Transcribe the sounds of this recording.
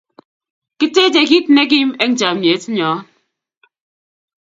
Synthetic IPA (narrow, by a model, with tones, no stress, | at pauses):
ki˦te˦d͡ʒe˨ki˦tne˦k̬i˦me˦ŋ̩˦d͡ʒa˨me˨˦ti˦ɲɔː˨˦